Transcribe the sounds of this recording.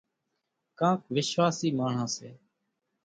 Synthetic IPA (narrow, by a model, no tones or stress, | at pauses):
kãːk̚ʋɪʃʋaːsiːmaːɳ̤ãːsḛː